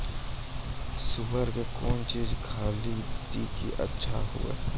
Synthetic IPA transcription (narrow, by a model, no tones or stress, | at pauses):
sʊbəɾkekoːnt͡ʃiːzkʰaːlit̪ikḭʔɐ̰tːʃʰa̰ɦʊ̰ḛː